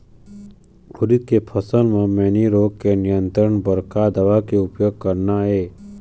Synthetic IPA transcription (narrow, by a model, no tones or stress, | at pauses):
ʊɾit̪̚kepʰəsəlmẽmeːniɾoːɡ̚kenɪjə̃nt̪ɾəɳbəɾkad̪əʋakeʊpjoːɡ̚kəɾnaɦeː